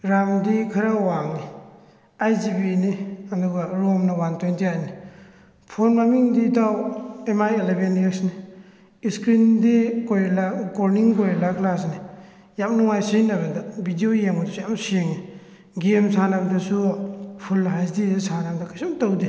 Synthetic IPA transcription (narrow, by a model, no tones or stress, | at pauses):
ɾamdikʰaɾawaŋni | ajzibiniɐduɡaɾomnɐwantʰwentiajni | pʰonmamiŋdidawemajelebeneksni | iskɾindikojlaɡoɾniŋkojlaklasni | jamnuŋajsinabadabidiojemadsujamsieŋi | ɡemsanabdasupʰulːɦajzdizisanamdɐkʰajsumtawdi